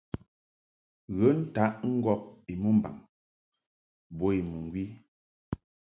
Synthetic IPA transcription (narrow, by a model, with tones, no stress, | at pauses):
ɣə˨˦n̩˦ta˨˦ʔŋ̩˦ɡɔ˦p̚i˨mu˦m˨ba̰˨ŋ | bo˦i˨mu˨ŋ˨ɡwi˦